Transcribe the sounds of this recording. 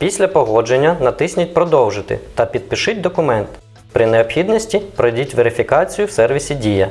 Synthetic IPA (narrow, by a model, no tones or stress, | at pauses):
pʲisʲlʲɐpɔɦɔd͡ʒenʲːɐnɐt̪ɪsʲnʲʊtʲpɾɔd̪ɔwʒɪt̪ɪ̰t̪ɐpʲid̪̚pɪʃɪt̚ʲd̪ɔkʊmɛnt̪ | pɾɪneɔpxʲid̪nɔsʲtʲipɾɔdʲitʲʋeɾɪfʲikɑt͡sʲijʊwsɛrʋʲisʲidʲijɐ